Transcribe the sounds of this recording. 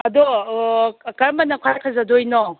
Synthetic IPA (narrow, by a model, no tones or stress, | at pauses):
ɐd̪ɔ | kaɾmanakʰajkʰazadojnɔ